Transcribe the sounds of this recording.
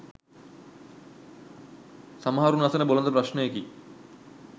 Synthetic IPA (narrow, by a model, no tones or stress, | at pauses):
samɦaɾunasɐnebolnt̪̬ɐpɾaʃneki